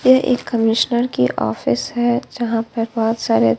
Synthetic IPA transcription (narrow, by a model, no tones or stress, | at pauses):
jeʔḛːkːɐmɪʃnəɾkiʔɔ̰ːfɪsɦɛd͡ʒɐɦãpɐɾbɔɦɔt̪saːɾe